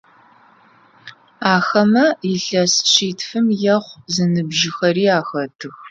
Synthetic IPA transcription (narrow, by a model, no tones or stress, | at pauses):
aːxɐmɐjɪɬɐsɕiːtʰfɨmjɐχʷzɨnɨbʒɪxɐriːaːxɐtʰɨx